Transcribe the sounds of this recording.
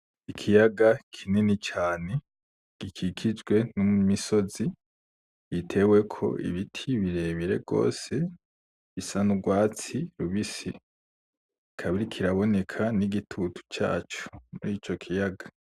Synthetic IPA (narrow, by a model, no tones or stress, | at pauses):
ikʰijaɡakʰininit͡ʃaːne̞ | ɡ̥ikʰikʰid͡ʒɡwe̞numiso̞zi | βitʰe̞we̞kʰo̞̰ʔḭβitʰiβiɾe̞βiɾe̞̰bɡo̞̰ːse̞ | βisanuɡwaːt͡siɾuβisi | kʰaβiɾikʰiɾaβo̞ne̞kʰaniɡitʰutʰu̥t͡ʃa̰ːt͡ʃu̥muɾiːt͡ʃo̞kʰijaɡa